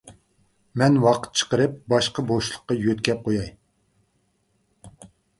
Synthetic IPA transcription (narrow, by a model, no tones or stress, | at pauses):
mɛnwɑqʰə̥t̪̚t͡ʃʰə̥qəɾɨp̚bɑʃqəboʃlˠəqːɑjøt̪kʲɛp̚qʰojɑj